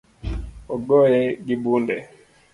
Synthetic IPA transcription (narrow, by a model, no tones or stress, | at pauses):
ɔɡɔjɛɡibundɛ